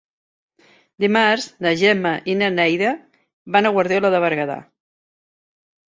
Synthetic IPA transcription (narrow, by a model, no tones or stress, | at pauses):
d̪imaɾznəʒɛmaʔinanɛjðə | βanəɣwaɾðeləðəβəɾɣaða̰